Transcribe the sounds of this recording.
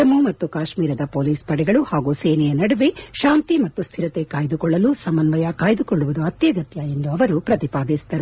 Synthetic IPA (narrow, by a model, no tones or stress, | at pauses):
ɐmumɐt̪ːukaːʃmiːɾɐd̪ɐpoːliːspɐɽɛɡɐɭuhaːɡuːseːnɛjɐnɐɽɐʋeʃaːnt̪imɐt̪ːust̪ʰiɾɐt̪ekaːjid̪ukɔɭːɐlusɐmɐnʋɐjakaːjid̪ukɔɭːuʋud̪uɐt̪jɐɡɐt̪jɐe̞nd̪uɐʋɐɾupɾɐt̪ipaːd̪isd̪ɐɾu